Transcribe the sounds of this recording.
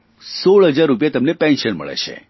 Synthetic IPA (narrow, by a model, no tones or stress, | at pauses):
soɭɦəd͡ʒaɾːup̬jat̪əmnepɛ̃nʃənmə̰ɭḛt͡ʃʰḛ